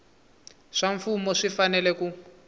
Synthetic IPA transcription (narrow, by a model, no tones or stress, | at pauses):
ʂaɱfumɔʂifanɛlɛku